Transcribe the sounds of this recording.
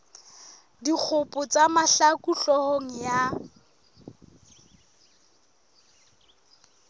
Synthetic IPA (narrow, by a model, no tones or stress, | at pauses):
dik͡xʰʊpʼʊt͡sʼamaɬakʼuɬɔhoŋ̩ja